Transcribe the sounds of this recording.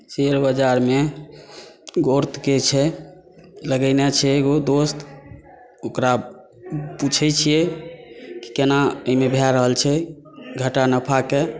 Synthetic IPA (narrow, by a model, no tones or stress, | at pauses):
t͡ʃeɾbəd͡ʒaɾme | ɡoɾt̪ket͡ʃʰɛ | ləɡənet͡ʃʰɛeɡod̪ost̪ | okɾa | put͡ʃʰɛt͡ʃʰijɛ | ki̥kenaəɦimebʱaɾəɦəlt͡ʃʰɛ | ɡʱəʈanəpʰake